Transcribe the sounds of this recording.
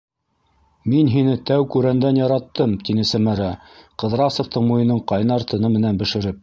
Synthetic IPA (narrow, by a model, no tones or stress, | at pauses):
minɦinɘt̪æwkʉɾænd̪ænjɑɾɑt̪ːɤmt̪inɘsæmæɾæ | qɤ̆ðɾɑsŏft̪ɤɴmujɤ̆nɤɴqɑjnɑɾt̪ɤ̆nɤmɘ̆nænbɘ̆ʃɘ̆ɾɘp̚